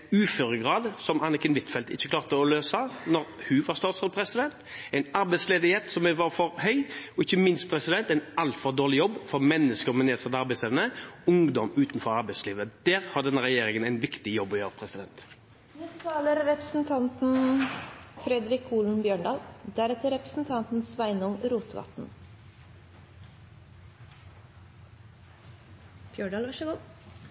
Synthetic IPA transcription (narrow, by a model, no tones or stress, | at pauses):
ʉːføɾəɡʁɑːd̪sɔmɑːnəkənʋɪt̪fɛlt̪ɪ̰çːəkʰlɑːʁt̪əɔløːsɑnɔɾhʉʋɑɾst̪ɑːt̪sɔd̪pʰɾɛsɪd̪ɛnt̪æɪnɑɾbæɪt̪sleːd̪ɪheːt̪sɔmʋɑɾfɔɾhœʏɔɪçːəmɪnst̪̚pʰɾɛsɪd̪ɛnt̪æɪnɑlt̪fɔɾd̪oːʁɭɪjɔbːfɔɾmɛnːəskəɾɔmɛneːsɑd̪əɑɾbæɪsleːʋənəʊŋd̪ɔmʉːt̪nfɔɾɑɾbæɪsliːʋəd̪æːʁhɑɖ̪ɛnːəʁɛjeːɾɪŋənæɪnʋɪkt̪ɪjɔbːɔjøːʁəpʰʁɛsɪd̪ɛnt̪ | nɪt̪ʰɑːləɾːɛpɾəsn̩t̪ʰɑnt̪n̩ | fɾɛd̪ɾɪkʰuːln̩bjøːɳɖɑːld̪æɾɛt̪ʰəɾɛpɾəsn̩t̪ʰɑnt̪n̩sʋæɪnʊŋɾuːt̪ʋɑ̰t̪n̩ | bjøːɖɑːlʋæʃəɡuː